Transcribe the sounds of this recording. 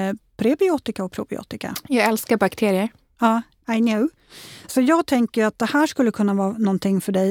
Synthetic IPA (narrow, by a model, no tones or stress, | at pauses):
pʰɾɪbɪoːt̪ɪkaɔpʰɾʊ̰bɪ̰o̰ːt̪ɪka̰jɑːɡɛlskabakt̪ʰeːɾɪəɾ | ɑː | aɪnoː | sɔjɑːɡ̚t̪ʰɛŋkəjat̪̚d̪ɛhæːʂkɵlːəkʰɵnːavɑːnɔnt̪ʰɪŋːfœɖɛj